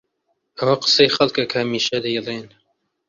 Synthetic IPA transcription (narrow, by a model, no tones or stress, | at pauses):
ʔɐwɐqə̥sejxɐlkɐkʰɐhɐmiːʃɐd̪ɐjɛlen